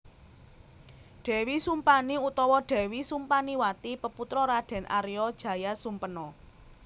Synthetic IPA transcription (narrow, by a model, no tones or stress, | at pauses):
ɖ̥ɛ̤wisumpaniut̪ɔwɔɖ̥ɛ̤wisumpaniwat̪ipəput̪ɾɔɾaɖ̥ɛ̤nʔa̰ɾijɔd̥ʒ̥ä̤jasumpənɔ